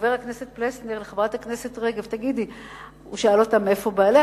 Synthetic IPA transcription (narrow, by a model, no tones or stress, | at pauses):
veʁakne̞set̚plesneʁleχavʁat̪hakne̞setʁeɡevtaɡidi | uʃaalotamefo̞baːle